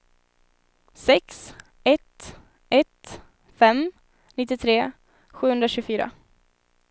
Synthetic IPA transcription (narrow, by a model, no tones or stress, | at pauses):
sɛks | ɛt̪ | ɛt̪ | fɛm | nɪt̪ːɪt̪ʰɾeː | ɧʉ̟ːɵnd̪ɾaɕʉɡfyːɾa̰